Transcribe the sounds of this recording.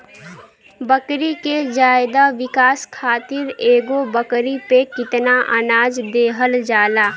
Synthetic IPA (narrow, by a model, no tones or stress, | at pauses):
bəkɾiked͡ʒaːɪd̪aʋɪkaːskʰaːt̪ɪɾeːɡobəkɾipekɪt̪naʔə̰naːd͡ʒd̪eːɦəld͡ʒaːlaː